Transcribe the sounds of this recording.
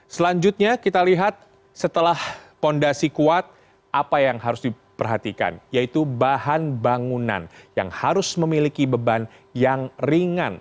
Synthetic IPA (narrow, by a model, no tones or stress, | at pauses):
səlaɲd͡ʒʊt̪̚ɲakit̪aliɦat̪̚ | sət̪əlahpondasikuat̪̚ | ʔapajaŋɦaɾʊsdi | pərɦat̪ika̰njait̪ubahanbaŋuna̰nja̰ŋhaɾʊsməmilikibəban | jaŋriŋan